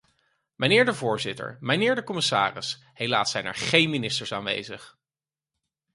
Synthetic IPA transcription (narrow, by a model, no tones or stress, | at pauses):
mənɪːɹdəvʊːɹzɪtə̰ɹmənɪːɹdəkɔmɪsa̰ːrɪ̰s | ɦejlaːsɛjnɛ̰ɹχejnminɪstəɹsaːnʋḛjzəχ